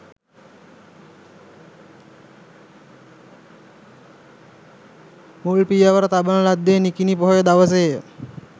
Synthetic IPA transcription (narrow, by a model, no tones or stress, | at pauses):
mulpijaʋəɾət̪abənəlad̪ːenikinipoɦojəd̪aʋəs̬ejjə